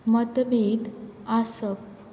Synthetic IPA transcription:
mət̪bed̪asəp̚

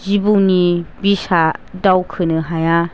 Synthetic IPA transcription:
zibunibisadawkʰɯnɯɦaja

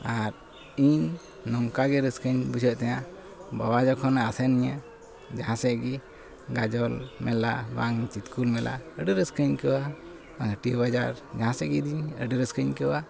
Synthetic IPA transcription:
aɾ | iɲː | ɔŋkaɡɛɾəskəɲbud͡ʒʰəʔt̪ɛja | bawad͡ʒɔkʰɔnaːsɛniɲa | d͡ʒaɦãsɛɡi | ɡad͡ʒɔlmɛlabaŋt͡ʃit̪kulmɛlʔa̰əɖəɾəskəɲkəwa | baŋəʈijəbad͡ʒaɾd͡ʒaãsɛɡid̪iɲə̰ɖəɾəskəɲkəwa

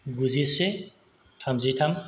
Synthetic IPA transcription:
ɡuzise | tʰamzitʰam

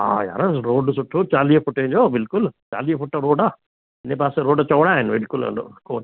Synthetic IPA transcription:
a̰ːja̰ɾɐsɾoːɖsuʈʰːut͡ʃaːlijefuʈːeːɲd͡ʒoːbilkult͡ʃa̰ːlijefuʈːɐɾoːɖa | inːepaːseɾoːɖɐt͡ʃɐːɽaːnʋilkulɐ̰o̰koːn

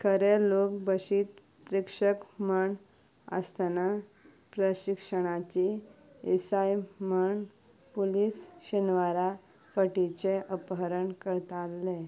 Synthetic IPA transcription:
kʰəɾelok̚bəɕiːt̪ | pɾikʂəkməɳ | ə̰st̪ana | pɾəɕikʂəɽ̃at͡ɕi | esajməɳ | puliːsɕənʋaɾa | fəʈit͡ɕeʔəpɦəɾəɳkəɾt̪alːe

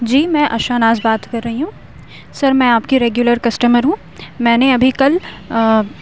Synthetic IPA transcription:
d͡ʒiːmɛ̃ːʔɐʃaːnaːzbaːt̪kɐɾːɐɦiɦũː | sɐɾmɛ̃aːpkiɾeːɡjʊləɾkɐsʈəməɾɦũː | mɛ̃ːneɐbʱikɐl

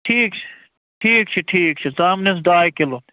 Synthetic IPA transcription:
ʈʰiːkt͡ʃʰi̥ | ʈʰiːk̚t͡ʃʰiʈʰiːk̚t͡ʃʰisaːmnes̬ɖaːjkelot̪

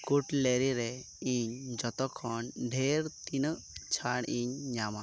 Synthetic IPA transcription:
kuʈleɾiɾɛ | iɲd͡ʒɔt̪ɔkʰɔnɖʱeɾt̪inə | t͡ʃʰaɽiɲɲama

